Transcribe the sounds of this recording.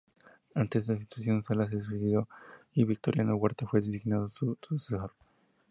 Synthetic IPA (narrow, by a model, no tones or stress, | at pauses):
ant̪ezðelasi̥t̪wasjo̞nsalas̬eðsuseðjoiβik̚t̪oɾjanoweɾt̪afweðes̬iɣnaðosususesoɾ